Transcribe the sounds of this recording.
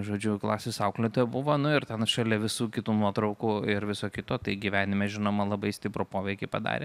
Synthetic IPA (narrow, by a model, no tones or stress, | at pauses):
ʒoːd͡ʒʲʊklˠɑ̰ːsʲeːsɐʊklʲɛt̪oːjɛbʊʋoːnʊɪrt̪ʲɛnʃɐlʲɛʋʲɪsuːkʲɪt̪uːnuɔt̪ɾɐʊkkuɪɾʋʲɪsoːkʲɪt̪oːt̪ɐɪɡʲiʋʲæːnʲɪmʲɛʒʲɪnoːmɐlˠɐbɐɪsʲt̪ʲɪpɾʊpoːʋʲɛɪkʲɛɪpɐd̪ɑ̰ːɾʲḛː